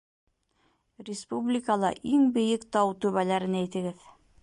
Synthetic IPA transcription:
rʲɪspublʲikəlˠɑ̰ʔiŋbɘ̆jɘkt̪ɑwt̪ʉβælæɾɘnæjt̪ɘ̆ɡɘð

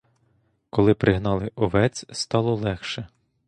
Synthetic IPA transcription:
kɔlˠɪpɾɪɦnɑlˠɪʔɔʋɛt͡sʲst̪ɑlˠɔlˠɛxʃɛ

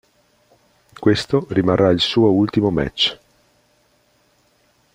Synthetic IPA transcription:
kwest̪orimarːailsuːoult̪imomɛ̰t͡ʃː

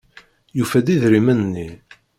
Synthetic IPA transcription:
jufæd̪iðɾimænnːi

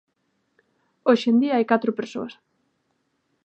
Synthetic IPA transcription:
oʃend̪iaajkat̪ɾʊpeɾso̰as

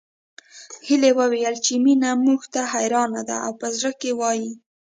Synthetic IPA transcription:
hilewəwejəlt͡ʃeminamuxt̪aɦajɾɑnad̪a̰awpəzɽəkewɑji

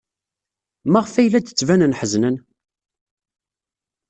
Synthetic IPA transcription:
maʁfæjlæd̪ət͡sːvænənħəznən

